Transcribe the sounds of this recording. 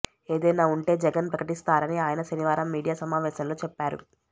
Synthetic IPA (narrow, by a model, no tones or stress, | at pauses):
e̞ːd̪ɐjnaːuɳʈe̞ːd͡ʒɛɡɐnpɾɐkɐʈist̪aːɾɐniaːjɐnɐʃɐniʋaːɾɐmːiːɽijaːsɐmaːʋɛːʃɐmlo̞ːt͡ʃɛpːaːɾṵ